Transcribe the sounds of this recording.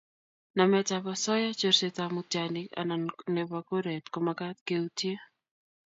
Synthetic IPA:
na˨mɛ˨taβa˨sɔ˦ja˦t͡ʃo˦ɾsetamutjanɪ˨ka̰˨na˨nne˨βako˦ɾɛ˨tkoma˨ka˦tke˦utje˦

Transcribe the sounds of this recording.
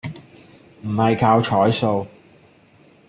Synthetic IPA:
m̩˨˩hɐ˨jkʰaː˧wt͡ʃʰɔː˨˥jso˧w

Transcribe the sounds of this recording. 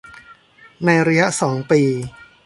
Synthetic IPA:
na˧jɾa˧ja˦˥ʔsɔː˩˦ŋpiː˧

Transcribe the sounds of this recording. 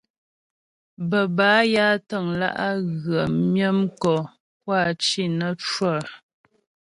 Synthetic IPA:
bə˨baː˨˦ja˦tə˦˨ŋla̰˦ʔa˦ɣə˨mjə˦mkɔ˨ | k̚wa˦˨t͡ʃi˦˨nə˦t͡ʃwə˦˨

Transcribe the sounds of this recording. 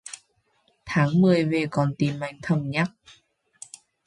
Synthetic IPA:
t̪ʰa˨˦ŋmɨ˧˩˨jveː˧˩kɔː˧˩nt̪iː˧˩ma˧jŋt̪ʰə˧˩mɲa˦˥k̚

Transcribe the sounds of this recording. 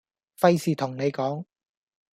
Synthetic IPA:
fɐ˧jsiː˨˩t̪ʰʊ˨˩ŋne˨˧jkɔː˨˥ŋ

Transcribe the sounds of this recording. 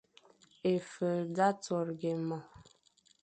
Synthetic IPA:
e˨fə˨da˦to˨ɾɡe˨mɔ˨

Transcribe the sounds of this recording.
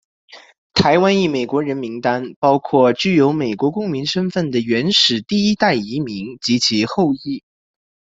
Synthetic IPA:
t̪ʰa˧˥ɪwa˥ni˥˩me˨˩ɪkwɔ˧˥ɻə˧˥nmi˧˥ŋt̪a˥npɑ˥ʊkʰwɔ˥˩t͡ɕy˥˩jo˧˥ʊme˨˩ɪkwɔ˧˥kʊ˥ŋmi˧˥nʂə˥nfə˥˩nd̪ə˩ɥɛ˧˥nʂɻ̩˨˩t̪i˥˩i˥t̪a˥˩ɪi˧˥mi˧˥ŋt͡ɕi˧˥t͡ɕʰi˧˥xo˥˧ʊi˥˩

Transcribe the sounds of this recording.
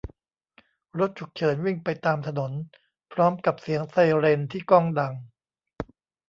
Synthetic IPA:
ɾo˦˥t̪̚t͡ɕʰu˨˩k̚t͡ɕʰɤː˩˦nwi˥˩ŋpa˧jt̪aː˧mt̪ʰa˧no˩˦n | pʰɾɔː˦˥mka˨˩p̚si˨˩˦əŋsa˧ɾe˧nt̪ʰiː˥˩kɔː˥˩ŋda˧ŋ

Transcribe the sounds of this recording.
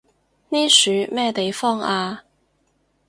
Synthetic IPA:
niː˥syː˨˧mɛː˥t̪e˨jfɔː˥ŋaː˧

